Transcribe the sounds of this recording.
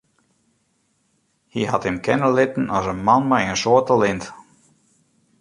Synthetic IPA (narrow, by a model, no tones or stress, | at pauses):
hiɦathɪmkʰɛnəlɪtən̩ɔsənmanmɛjənsoːtəlɪnt